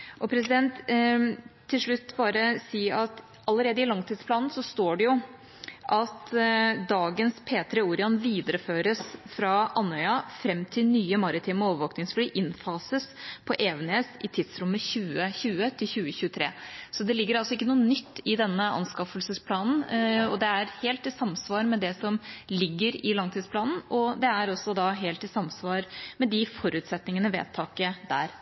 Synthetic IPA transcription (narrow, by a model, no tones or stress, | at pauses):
ʔɔpʰɾɛsɪd̪ɛnt̪ʰ | ɪlʂɭʉt̪ːbɑːɾəsiːɑt̪ | ʔɑlːəɾeːd̪əɪlɑŋt̪ʰiːd̪spʰlɑːnn̩sɔst̪oːɖɛjʊ | ʔɑt̪d̪ɑːɡənspʰeːt̪ɾɛuːɾɪɑnʋiːd̪əɾəføːɾəsfɾɑʔɑnːœʏɑfɾɛmːt̪ʰɪlnyːəmɑɾɪt̪ʰiːməoːʋəʋoːknɪŋsfliːʔɪnfɑːsəspʰɔʔeːʋneːsɪt̪ʰɪd̪sɾʉmːəçʉːəçʉːət̪ʰɪlçʉːəçʉːət̪ʰɾeːsɔd̪ɛlɪɡːəɾɑlsɔɪkːənuːənʏt̪ːɪd̪ɛnːəɑ̰nskɑfəlsəspʰlɑːnn̩ɔd̪ɛæɾheːlt̪ɪsɑmsʋɑːɾmɛd̪ɛsɔmlɪɡːəɾɪlɑŋt̪ʰiːd̪spʰlɑːnn̩ɔd̪ɛæɾɔsːɔd̪ɑɦeːlt̪ɪsɑmsʋɑːɾmɛd̪ɪfɔɾʉːt̪sɛt̪nɪŋənəʋḛːt̪ʰːɑːkəd̪æːɾ